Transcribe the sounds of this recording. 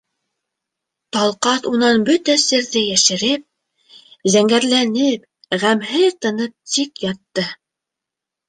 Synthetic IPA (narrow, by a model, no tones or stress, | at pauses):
t̪ɑlˠqɑθunɑnbɵt̪æsɘ̆ɾðɘjæʃɘ̆ɾɘp̚ | zæŋɡæɾlænɘp | ʁæmɦɘðt̪ɤ̆nɤp̚t̪ikjɑt̪ːɤ